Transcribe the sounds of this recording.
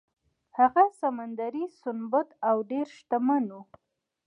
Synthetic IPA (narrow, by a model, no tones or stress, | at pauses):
haɣasamand̪aɾisʊnbat̪awɖeɾʃt̪amanu